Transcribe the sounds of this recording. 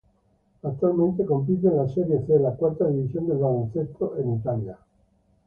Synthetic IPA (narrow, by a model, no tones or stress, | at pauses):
at̪ːualmẽnt̪̬ekomp̬it̪̬elasɛɾjeselakwart̪ad̪ivisjond̪elvalonset̪ʰːoʔenit̪alja